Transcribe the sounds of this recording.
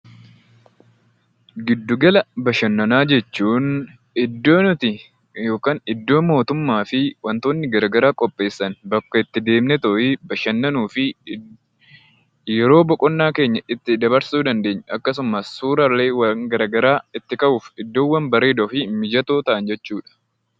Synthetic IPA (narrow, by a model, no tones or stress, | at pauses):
ɡɪd̪ːʊɡɐlɐbɐʃɐnːɐnaːd͡ʒɛt͡ʃːuːn | ɪd̪ːoːnʊt̪ɪ | jo̞ːkaːnɪd̪ːo̞ːmo̞ːt̪ʊmːaːfɪwɐnt̪oːnːɪɡɐɾɐɡɐɾaːkʼɔpʼːe̞ːsːɐnbɐkːɐɪt̪ːɪd̪e̞ːmnɛt̪ɔʔɪbɐʃɐnːɐnuːfɪ | jɛɾo̞ːbɔkʼɔnːaːke̞ːɲːɐɪt̪ːɪd̪ɐβɐɾsuːd̪ɐnd̪e̞ːɲːʔɐkːɐs̬ʊmɐsːuːɾɐleːwɐŋɡɐɾɐɡɐɾaːɪt̪ːɪkʼɐʔuːfɪd̪ːo̞ːwːɐnbɐɾe̞ːd̪ɔfɪmɪd͡ʒɐt̪o̞ːt̪ɐʔɐnd͡ʒɛt͡ʃːuːᶑɐ̥